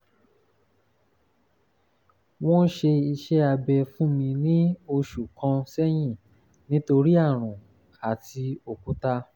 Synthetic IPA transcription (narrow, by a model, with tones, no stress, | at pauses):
w̃ɔ̃˦ʃe˧i˧ʃɛ˦a˧bɛ˧fũ˦mĩ˧nĩ˦o˧ʃu˨kã˧sɛ˦j̃ĩ˦˨ | nĩ˦to˧ɾi˦a˦˨ɾ̃ũ˨ | a˨ti˧o˨kũ˨˦ta˧